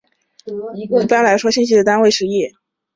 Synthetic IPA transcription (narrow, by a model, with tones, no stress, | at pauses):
i˧˩i˥˩pa˥nla˧˥ɪʂwɔ˥ɕi˥˧nɕ̬i˥d̪ə˨t̪a˥nwe˥˩ɪʂɻ̩˧˥˧ji˥˩